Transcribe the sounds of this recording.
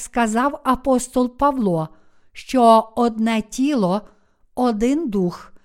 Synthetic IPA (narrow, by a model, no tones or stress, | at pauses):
skɐzɑwɐpɔst̪ɔlˠpɐwlˠɔ | ʃt͡ʃɔɔd̪nɛtʲilˠɔ | ɔd̪ɪnd̪ux